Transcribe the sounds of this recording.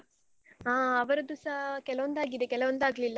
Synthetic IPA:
aːɐʋɐɾɐd̪usɐkɛlɐʋɐnd̪aːɡid̪ekɛlɐʋɐnd̪aːɡɐlilːɐ

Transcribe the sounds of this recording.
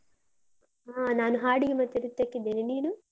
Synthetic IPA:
aːnaːnuɦaːɽiɡimɐt̪ːiɾut̪ːɐkːid̪eːniniːnu

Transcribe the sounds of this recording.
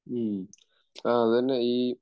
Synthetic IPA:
aːɐððɐnːeiː

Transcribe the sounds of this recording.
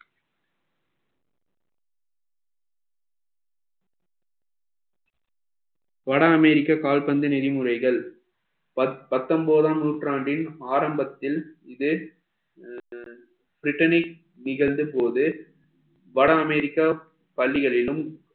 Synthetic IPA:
ʋɐɽɐːmɛɾɪkːɐkaːlpɐnd̪ɯnɛðɪmɯrɐɪɣɐɭ | pɐt̪ːɐmboːðaːmnuːʈraːɳɖɪnaːɾɐmbɐt̪ːɪlɪðɯ | fɪɾɪʈːɐnɪk̚ | nɪɣɐɭd̪ɯpoːðɯ | ʋɐɽɐːmɛɾɪkːɐ | pɐɭːɪɣɐɭɪlɯm

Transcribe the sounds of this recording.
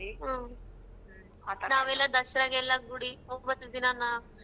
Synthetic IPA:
ɦə | naʋelad̪əɕɾaɡɛlaɡuɽiomət̪d̪inana

